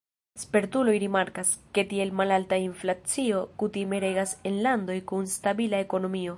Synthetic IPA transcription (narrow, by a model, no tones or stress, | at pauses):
spe̞ɾt̪ulo̞jɾimaɾkaske̞tie̞lmalaltainflat͡sio̞kutime̞ɾe̞ɡase̞nlando̞jkunstabilae̞ko̞no̞mio̞